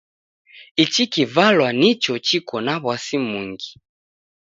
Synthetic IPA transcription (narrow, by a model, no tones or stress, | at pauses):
it͡ʃikivalwanit͡ʃɔt͡ʃikɔnaβwasimuŋɡi